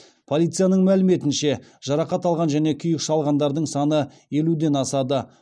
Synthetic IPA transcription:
pʰo̞lˠijt̪sɨjanəɴmælɪme̞t̪ɪnʃe̞ʒ̥ɑɾɑqɑt̪ɑlˠʁɑnʒæne̞kʲʰʏjɪkʃɑlˠʁɑnd̪ɑɾd̪əɴsɑnə | je̞lud̪e̞nɑsɑd̪ə

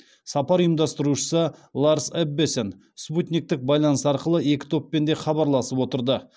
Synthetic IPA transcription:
sɑpɑɾijəmd̪ɑst̪əɾuʃə̥səlˠaɾsebːesen | sput̪nʲik̚t̪ɪk̚bɑjlˠɑnəsɑɾqəlˠəe̞kʲɪ̥t̪ʰo̞pːe̞nd̪e̞χɑbɑɾlˠɑsəpwo̞t̪əɾd̪ə

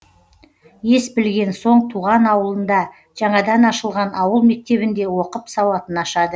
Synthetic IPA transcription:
je̞sbɪlɡʲe̞nso̞ɴt̪ʰuʁɑnɑwəlˠənd̪ɑ | ʒ̥ɑɴɑd̪ɑnɑʃəlˠʁɑnɑwəlˠme̞k̚t̪e̞βɪnd̪e̞wo̞qəpsɑwɑt̪ənɑʃɑd̪ə

